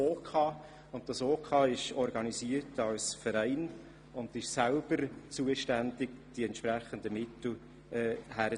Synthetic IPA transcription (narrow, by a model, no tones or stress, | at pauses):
oːkʰɑː | ʊnt̚d̥ɑsoːkʰɑːɪʃɔɾɡɑnisiːərtɑlsfəɾɛɪn | ʊnd̪ɪʃsælb̥əɾt͡suəʃtænd̥ɪɡd̥iɛntʃpɾæχəndəmɪtl̩ | ɛːhæɾə